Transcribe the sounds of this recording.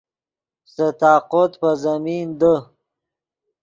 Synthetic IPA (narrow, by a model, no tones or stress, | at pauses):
st̪ət̪ɑːqot̪pəzamind̪ə